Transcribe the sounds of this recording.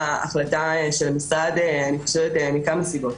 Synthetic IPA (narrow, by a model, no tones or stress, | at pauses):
a̰χlataʃelmisʁad̪eaniχoʃevet̪emikamasibo̞t